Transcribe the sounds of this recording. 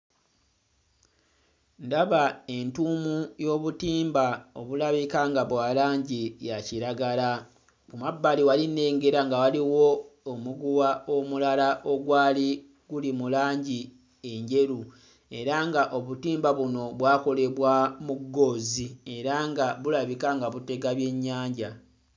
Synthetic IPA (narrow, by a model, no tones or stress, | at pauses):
ndaβae̞ntuːmujo̞ːβutiːmbao̰βulaβikaŋɡaβwaːlaːɲɟijaciɾaɡala | kumabːaliwaline̞ːŋɡe̞ɾaŋɡawaliwo̞ːmuɡuwaomulalaʔo̞ɡwaːli | ɡ̥ulimulaːɲɟi | e̞ɲɟe̞ɾu | e̞ɾaŋɡaʔo̞βutiːmbaβuno̞βwaːko̞le̞βwamuɡːo̞ːzie̞ɾaŋɡaβulaβikaŋɡaβute̞ɡaβje̞ɲːaːɲɟa